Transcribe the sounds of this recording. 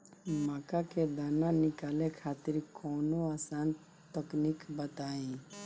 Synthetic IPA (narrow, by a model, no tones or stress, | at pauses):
maːkaked̪aːnanɪkaːlekʰaːt̪ɪɾkɔːnoaːsaːn | t̪əknikbət̪aːĩː